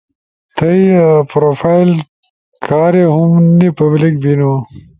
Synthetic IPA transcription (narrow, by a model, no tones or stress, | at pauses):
t̪ʰɐjpɾoːfajl | kʰɑːɾeɦʊmnipɐblik̚bino